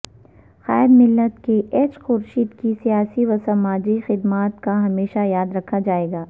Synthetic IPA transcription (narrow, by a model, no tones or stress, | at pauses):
xa̰ːɾmɪlːət̪keʔɛːt͡ʃxʊɾʃiːd̪kisijaːsiʋɐsɐmaːd͡ʒixɪd̪maːt̪kaɦɐmeːʃajaːd̪ɾɐkʰad͡ʒaːeːɡaː